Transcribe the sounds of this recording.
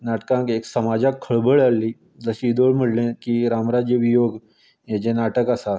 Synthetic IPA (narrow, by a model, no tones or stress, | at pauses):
naːʈkãkeːksəmaːd͡ʒakʰːəɭbəɭalːi | d̪əsid̪oːɽməɽlẽkiɾaːmɾaːd͡ʒjəʋijoːɡ | jed͡ʒenaːʈəkasa